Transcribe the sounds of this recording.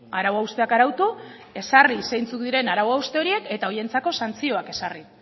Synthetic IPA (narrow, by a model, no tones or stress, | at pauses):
aɾawaust̪e̞akaɾawt̪u | e̞sarisejnt͡suk̚d̪iɾe̞naɾawaust̪e̞o̞ɾie̞ke̞t̪ao̞je̞nt͡sako̞sant͡sio̞ake̞sari